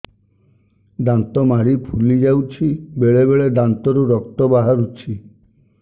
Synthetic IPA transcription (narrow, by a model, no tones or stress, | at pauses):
ɖant̪ɔmaɽipʰulid͡ʒawt͡ʃʰibeɭebeɭeɖant̪ɔɾuɾɔkt̪ɔbaɦaɾut͡ʃʰi